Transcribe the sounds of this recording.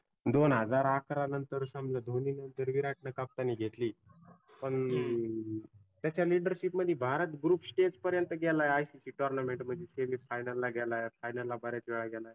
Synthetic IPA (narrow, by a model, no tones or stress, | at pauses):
d̪onɦəd͡zaɾakʰɾanənt̪əɾsambljad̪ʱoniːnənt̪əɾʋiɾaʈʰɳəkap̚t̪aniɡʱet̪liː | pəɳ | t̪jat͡ɕjaliɖəɾɕipməd̪ʱːibʱaɾət̪ɡɾuːpsʈed͡zpəɾjənt̪əɡɛlajeajsisiːʈɔɾnameɳʈm̤əɡd͡ʑeseʋiːfajnəlːaɡʱɛlaefajnəlːabəɾjat͡sʋɛɭaɡɛlaj